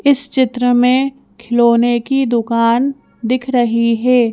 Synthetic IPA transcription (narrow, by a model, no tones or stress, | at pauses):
ɪst͡ʃɪt̪ɾəmẽ | kʰɪloːnekid̪ʊkaːn | d̪ɪkʰɾɐɦiɦɛː